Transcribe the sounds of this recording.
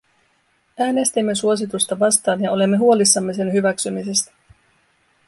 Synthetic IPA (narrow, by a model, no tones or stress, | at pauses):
æːne̞st̪imːe̞suo̞s̬it̪ust̪ɑʋɑst̪ɑːnjɑo̞le̞mːe̞ɦuo̞lisːɑmːe̞se̞nɦyʋæksymise̞st̪æ̥